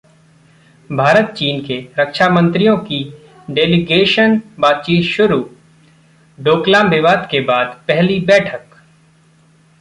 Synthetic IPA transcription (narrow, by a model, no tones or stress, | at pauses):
bʱaːɾət̪̚t͡ʃiːnkeɾəkʃamə̃nt̪ɾijõki | ɖeːlɪɡeːʃənbaːt̪̚t͡ʃiːt̪ʃʊɾuː | ɖoːklãːmʋɪʋaːd̪kebaːd̪pɛɦlibɛːʈʰək